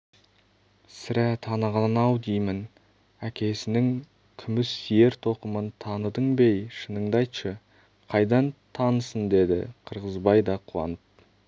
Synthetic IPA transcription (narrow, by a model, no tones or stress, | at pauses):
sɪɾæt̪ʰɑnəʁɑnɑwd̪ijmɪn | ækʲʰe̞sɪnɪŋ | kʲʰʏmɪsːije̞ɾt̪ʰo̞qəmənt̪ʰɑnəd̪əɴbe̞jʃənəɴd̪ɑjt̪ʃə | qʰɑjd̪ɑnt̪ʰɑnəsənd̪e̞d̪ɪ̰qʰəɾʁəzbɑjd̪ɑqʰuwɑ̰nəp̚